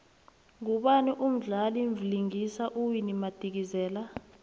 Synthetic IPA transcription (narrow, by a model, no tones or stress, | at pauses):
ŋuɓaniʔum̩ɮaliɱvliŋisaʔuwinimad̥ʱik̬izɛːla